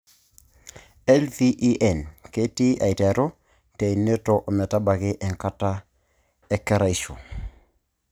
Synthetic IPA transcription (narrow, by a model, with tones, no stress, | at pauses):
ɛ˦lfi˦ʔi˦ʔɛ˨nke˦ti˦a̰˨i˨tɛ˨ɾo˦ | te˨i˨ne˦to˨ʔo˨mɛ˨ta˦ba˨ɡɪ˦ʔɛ˨ŋka˦ta˦ | ɛ˦kɛ˦ɾa˦˨i˨ʃo˨